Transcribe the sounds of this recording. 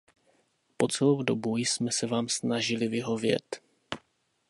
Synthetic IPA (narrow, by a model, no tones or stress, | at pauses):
po̞t͡sɛlowdobujsmɛsɛvaːmsnaʒɪlɪvɪɦo̞vjɛ̰t̪